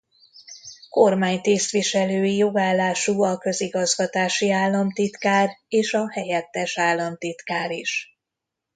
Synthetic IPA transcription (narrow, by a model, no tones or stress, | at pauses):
ko̞rmaːɲt̪eːst̪ʋiʃɛløːjijo̞ɡaːlːaːʃuːɒkø̞ziɡɒzɡɒt̪aːʃiaːlːɒmt̪it̪kaːreːʃɒhɛjɛt̪ːɛʃaːlːɒmt̪it̪kaːɾiʃ